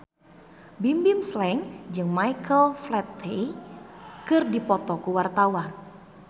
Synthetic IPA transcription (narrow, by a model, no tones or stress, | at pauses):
bimbɪmslɛŋd͡ʒɨŋmajkəlflɛt̪e | kɨrdipɔt̪ɔkuwart̪awan